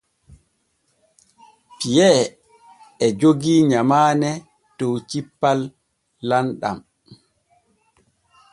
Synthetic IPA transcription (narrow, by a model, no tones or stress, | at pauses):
pijɛ | ɛd͡ʒoɡiɲamaːnɛ | tɔwt͡ʃipːalː | anɗa̰m